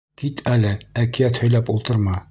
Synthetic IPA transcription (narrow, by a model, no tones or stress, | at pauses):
kit̪ʰælɘækijæt̪hɵ̆jlæpulˠt̪ɤ̆ɾmɑ